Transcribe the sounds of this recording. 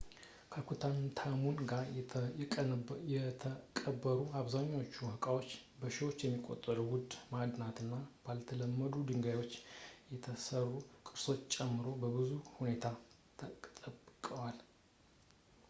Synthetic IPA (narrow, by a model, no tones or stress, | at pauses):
kʰəkʰut̪ʰant̪ʰamunɡaɾʼ | ɛt̪ʰəkʼəbːəɾuaβzaɲːaot͡ʃːuhɨkʼawo̞t͡ʃːbəʃiwo̞t͡ʃːjɛmːikʼo̞̰t̪ʼːəɾuwʊd̪mad̪nat̪ɨnːab̥alt̪ʰələmːəd̪ud̪ɨŋɡajwo̞t͡ʃːjɛt̪ʰəsərːukʼɨɾso̞t͡ʃːt͡ʃʼɛmːɨɾo̞bəbɨzuhune̞t̪ʰa | t̪ʰət̪ʼəbkʼəwal